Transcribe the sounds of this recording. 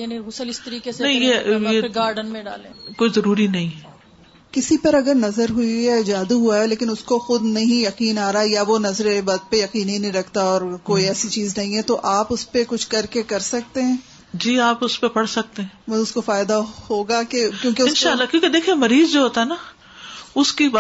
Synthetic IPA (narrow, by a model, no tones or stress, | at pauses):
janiɣʊsəlɪst̪ɐɾiːkesenɐɦĩjejeɡaːɾɖənmẽɖa̰ːlḛ̃ːkoːizɐɾuːɾinɐɦĩ | kɪsipɐɾɐɡəɾnɐzəɾɦuiɦɛd͡ʒaːd̪uɦuaɦɛleːkɪnʊskoxʊd̪nɐɦĩjɐqiːnaːɾaɛjaʋonɐzɾebaːd̪̚pejɐqiːnɦĩnɐɦĩɾɐkʰt̪aɔːɾkoːiɛːsit͡ʃiːznɐɦĩɦɛt̪oʔaːpʊspekʊt͡ʃʰkɐɾkekɐɾsɐk̚t̪eɦɛ̃ː | d͡ʒiːaːpʊspepɐɽsɐk̚t̪eɦɛ̃ːmɐʊskofaːɪd̪ahoːɡakekjõːkeʊɪnʃaːllːakjõːked̪eːkʰiemɐɾiːzd͡ʒoɦoːt̪aɦɛna | ʊskib